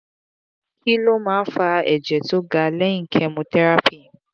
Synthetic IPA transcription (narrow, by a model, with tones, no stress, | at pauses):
ki˦lo˦mãː˨˦fa˧ɛ˨d͡ʒɛ˨to˦ɡa˧lɛ˦ĩ˦ŋ̩˨kʰɛ˧mũ˧tɛ˦ɾa˦pi˦˨